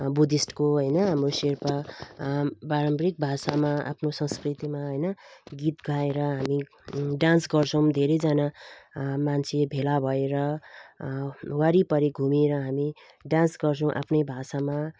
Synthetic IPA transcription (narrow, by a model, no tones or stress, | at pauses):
bud̪isʈkoɦʌjnʌɦamroserpa | baɾʌmbɾik̚bʱasamaʔa̰pʰnosʌ̃skrit̪imaɦʌjnʌɡit̪ɡʱaeɾʌɦami | ɖansɡʌrt͡sʰʌw̃d̪ʱeɾʌjd͡zana | mant͡sʰebʱelabʱʌeɾʌ | waɾipʌɾiɡʱumeɾʌɦami | ɖãnsɡʌrt͡sʰʌ̃w̃ʔa̰pʰnʌjbʱasama